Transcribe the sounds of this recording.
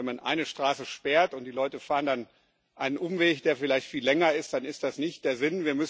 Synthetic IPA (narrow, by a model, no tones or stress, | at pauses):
ɛnmanʔa̰ɪnəʃtʁ̥aːsəʃpɛːɐtʊnt̚d̥iːlɔʏtəfaːʁəndan | ʔaɪnənʔʊmveːçd̥eːɐfɪlaɪçtfiːlːɛŋɐɪstd̥anɪstd̥asnɪçt̚d̥eːɐzɪnviːɐmʏs